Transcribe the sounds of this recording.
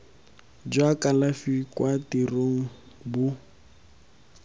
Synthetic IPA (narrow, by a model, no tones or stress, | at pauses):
d͡ʒwakʼalafikʼwatiroŋ̩ | bʊ